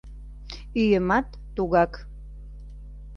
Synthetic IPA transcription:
yjəmat̪ːuɣɑk

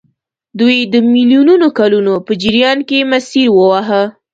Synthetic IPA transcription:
d̪ujd̪əmiljununokalunopəd͡ʒiɾijɑnkemasiɾwəwaɦə

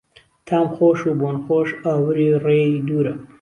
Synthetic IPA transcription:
t̪ʰaːmxoʃubonxoʃawɾired̪uːɾɐ

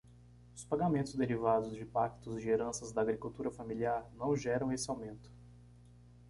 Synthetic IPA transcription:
ʊspaɡamẽnt̪ʊzd̪eɾivad̪ʊzd͡ʒɪpakt̪ʊzd͡ʒɪeɾɐ̃sɐzd̪ɐːɡɾikuwt̪uɾɐfamiliaɾnɐ̃w̃ʒɛɾɐ̃w̃esɪawmẽnt̪ʊ̥

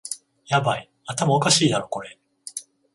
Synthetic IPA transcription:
jabai | at̪amaokaɕiːd̪aɾo̞ko̞ɾe̞

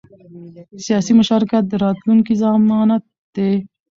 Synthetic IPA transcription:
sijɑsimʊʃɑɾɪkat̪̚d̪əɾɑt̪luŋkizɑmɑnat̪̚ | d̪̥e

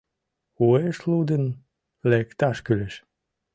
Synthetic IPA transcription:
ueʃlud̪ən | lekt̪ɑʃkyleʃ

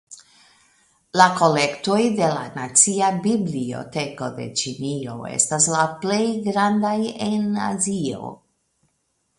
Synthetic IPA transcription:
lako̞le̞kto̞jde̞lanat͡siabiblio̞̰te̞ko̞de̞̰t͡ʃinio̞ḛstaslaple̞jɡɾandaje̞na̰zio̞̰

